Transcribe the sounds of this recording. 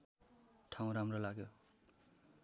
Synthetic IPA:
tʰaw̃ɾamɾʌlaɡjɔ

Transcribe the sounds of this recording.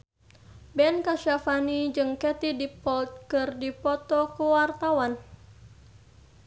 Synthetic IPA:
bɛnkasafanid͡ʒɨŋkɛt̪idipɔt̪̚kɨrdipɔt̪ɔkuwart̪awan

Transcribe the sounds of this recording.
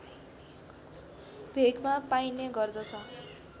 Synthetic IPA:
bʱeɡmapajneɡʌrd̪ʌt͡sʰʌ

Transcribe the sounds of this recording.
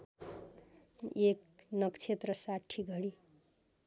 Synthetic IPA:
eknʌkt͡sʰet̪rʌsaʈʰːiɡʱʌɽi

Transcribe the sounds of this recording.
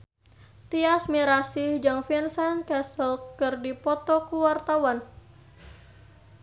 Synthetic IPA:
t̪iasmiɾasihd͡ʒaŋfɛnsankɛsɔlkɨrdipɔt̪ɔkuwart̪awan

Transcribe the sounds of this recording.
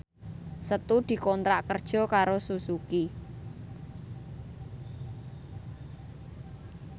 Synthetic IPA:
sət̪ud̪̥i̤kɔnt̪ɾaʔkərd̥ʒ̥ɔ̤kaɾosusuki

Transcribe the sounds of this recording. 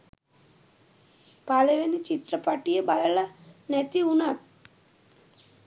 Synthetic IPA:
paleʋenit͡ʃit̪ɾəpaʈijebajeɭlanɛt̪iunat̪̚

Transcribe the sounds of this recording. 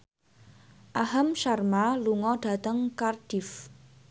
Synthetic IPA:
ʔaɦəmʃarmaluŋɔɖ̥a̤t̪əŋkard̥ɪf

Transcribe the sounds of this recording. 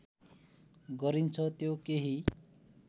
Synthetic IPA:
ɡʌɾint͡sʰʌt̪jokeɦi

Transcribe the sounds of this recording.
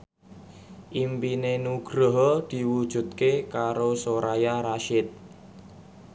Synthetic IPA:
ʔimpinenuɡ̥ɾɔɦɔd̪̥i̤wud̥ʒ̥ṳt̪̚kekaɾosoɾajaɾaʃɪt̪̚

